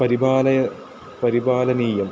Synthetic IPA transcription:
pɐɾibaːlɐjɐ | pɐɾibaːlɐniːjɐm

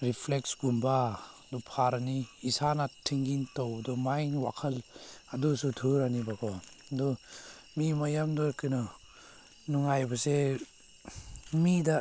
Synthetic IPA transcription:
ɾipʰlek̚sɡumbadupʰaɾaniːsanatʰiŋɡintɔwdɔmajnwakʰɐladusutʰuɾanibakʰɔdɔ | mimajamdɔkɯnɔ | nuŋajbase | mida

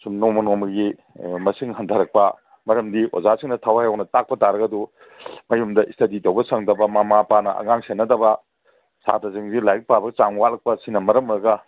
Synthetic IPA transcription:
sumnomɐnomɐɡi | mɐsiŋhɐntʰɐɾɐk̚pɐ | mɐɾɐmdiʔo̰zasiŋnɐtʰawajawnɐtak̚pɐtaɾɐɡɐdu | mɐjumdɐʔistɐditowbɐsɐŋdɐbɐmamapanɐʔɐ̰ŋaŋsenːɐdɐbɐ | sa̰dɐziŋzilajk̚pabɐɡt͡ʃaŋwatlɐk̚pɐsinɐmɐɾɐmɾɐɡɐ

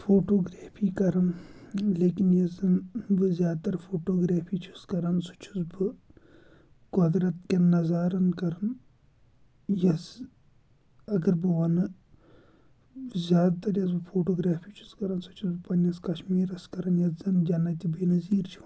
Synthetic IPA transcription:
fʰoːʈoːɡɾaːpʰiːkɐɾɐnleːkinjɐzɐnbɨzʲjaːd̪̚t̪ɐɾfʰoːʈoːɡɾaːpʰiːt͡ʃʰu̥skɐɾɐnsu̥t͡ʃʰu̥sbɨ | kod̪ɾɐt̪̚kenɐzaːɾɐnkɐɾɐn | jɐs | ɐɡɐɾbɨʋɐnɨ | zʲjaːd̪t̪ɐɾjɐsbɨfʰoːʈoːɡɾaːpʰiːt͡ʃʰu̥skɐɾɐnsɐ̥t͡ʃʰusbɨpɐnɐskɐʃmiːɾɐskɐɾɐnjɐzɐnd͡ʒɐnɐt̪ʲibeːnɐziːɾt͡ʃʰu̥

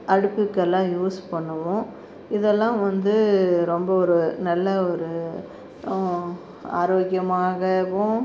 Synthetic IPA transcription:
ɐɽɯpːɯkːɛlːãːjuːspɐɳːɯʋʊ̃ | ɪðɛlːãːʋɐnd̪ɯɾɔmbɐɔɾɯnɐlːɐɔɾɯ | a̰ːɾoːɡɪjɐmaːɣɐʋʊ̃

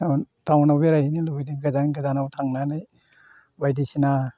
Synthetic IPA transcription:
awtawnawbeɾajhinilubijdiɡazanɡazanawtʰaŋnanaj | bajdisina

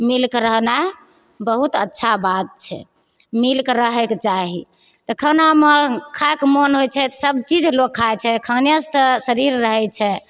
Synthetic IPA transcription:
milkɾəɦna | bəɦut̪ə̰tːʃʰabat̪̚t͡ʃʰɛ̰ | milkɾəɦɛkt͡ʃaɦi | t̪ɔkʰənaməkʰaekmonɦojt͡ʃʰɛt̪səb̚t͡ʃid͡ʒlokʰːajt͡ʃʰɛkʰənjəst̪əsəɾiɾːəɦɛt͡ʃʰɛ

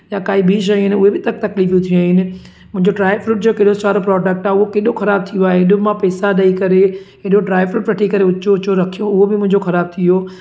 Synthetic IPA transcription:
jakaːibʱiːʃ̬ɐjɪnɪ̆ʊɦebɪt̪ɐk̚t̪ɐkliːfjũt̪ʰiuaːɦɪnɪ̆ | mʊ̃ɦɪ̃ɲd͡ʑoɖɾaːɪfɾuːʈ̚d͡ʑoːkeːɗot͡ɕaːɾopɾɔːɖək̚ʈaːɦeʊɦokeːɗoxɐɾaːb̚t̪ʰijoaːɦeɦɪɗomãpɛːsaɗaikɐɾeɦɪɗoɖɾaːɪʋɾuːʈʋɐʈʰikɐɾeʊt͡ɕoʊt͡ɕoɾɐkʰijõʊɦobɪmʊ̃ɦɪ̃ɲd͡ʑoxɐɾaːb̚t̪ʰijoː

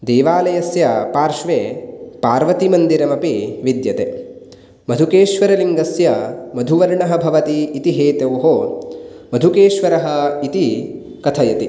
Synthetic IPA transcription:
d̪eːʋaːlɐjɐsjɐpaːɾʃʋeːpaːɾʋɐt̪imɐnd̪iɾɐmɐpiʋid̪jɐt̪e | mɐd̪ʱukeːʃʋɐɾɐliŋɡɐsjɐmɐd̪ʱuʋɐɾɳɐɦɐbʱɐʋɐt̪iːt̪iɦeːt̪ewɦoː | mɐd̪ʱukeːʃʋɐɾɐɦɐit̪i | kɐt̪ʰɐjɐt̪i

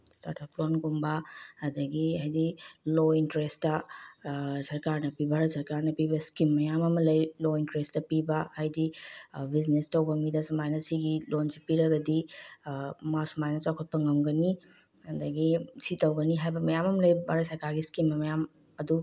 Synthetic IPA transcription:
sta̰ɾtaplonɡumbɐɐdɐɡiajdilointɾestɐ | sɐɾkaɾnɐpibʱaɾɐsɐɾkaɾnɐpibɐskimːɐjamɐmɐlɐjlointɾestɐpibɐhajdibiznestɐwbɐmidɐsumajnɐsiɡilonsipiɾɐɡɐdi | masumajnɐt͡ʃawkʰɐt̚pɐŋɐmɡɐni | ɐdɐɡisitɐwɡɐniɦajbɐmɐjamɐmɐlɐjbʱaɾɐtsɐɾkaɾɡiskimɐmɐjam | ɐdu

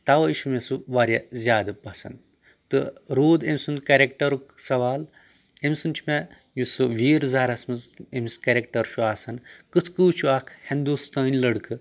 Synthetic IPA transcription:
t̪ɐʋɐiʃumesuʋaːɾʲjazʲjaːd̪ɨpɐsɐ̰n | t̪ɨɾoːd̪emʲsunkeɾʲekʈɐɾuksɐʋaːl | emʲsunt͡ʃʰme | jusɨʋʲiːɾzaɾɐsmɨzemʲskɐɾʲekʈɐɾʃʰuaːsɐnkɨt̪ʰkɨːt͡ʃʰuaːkʰhend̪uːst̪aːnʲlɐɽkɨ

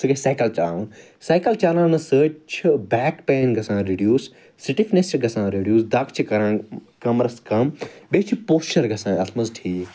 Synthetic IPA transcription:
sɨɡɐsaːjkɐlt͡ʃaː | saːjkɐlt͡ʃaːlãːnɐsəːt͡ʃʰibɛːkpeːnɡʱɐsãːɾeːɖjuːs | siʈifnesɡɐsãːɾeːɖjuːsd̪ɐkʰt͡ʃʰikɐɾãː | kɐmɾɐskɐmɓet͡ʃʰipoːsʈɐɾɡɐsãːɐsmɐzʈʰiː

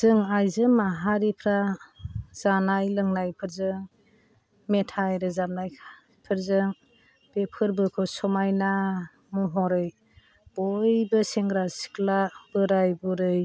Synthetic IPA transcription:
zɯŋajzɯmaɦaɾipʰɾa | z̥anajlɯŋnajpʰɯɾzɯŋ | metʰajɾɯzamnaj | pʰɯɾzɯŋ | b̥epʰɯɾbɯkʰɯsɔmajna | mɔɦɔɾɯj | b̥ɔjbɯseŋɡɾasi̥klab̥ɯɾajbuɾɯj

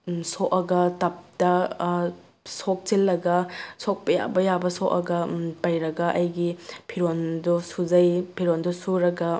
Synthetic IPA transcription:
soʔɐɡɐtɐp̚dɐ | sok̚t͡ʃilːɐɡɐsok̚pɐja̰bɐjabɐsoʔɐ̰ɡɐpɐjɾɐɡɐʔɐjɡipʰiɾondusuzɐjpʰiɾondusuɾɐɡɐ

